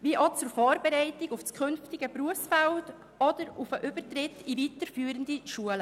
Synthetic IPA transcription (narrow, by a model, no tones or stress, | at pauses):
viəʔot͡suɾfɔːɾbɛɾɛɪtɪɡufskʰʏnftɪɡəpɾuəfsfɛlt | ɔd̥əɾufəʔʏb̥əɾtɾɪtːivitəɾfyːɾəndiʃuələ